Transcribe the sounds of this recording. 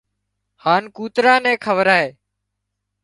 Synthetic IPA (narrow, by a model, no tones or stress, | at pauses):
haːnkuːt̪ɾãːnɛ̃ːkʰəʋəɾaːɦeː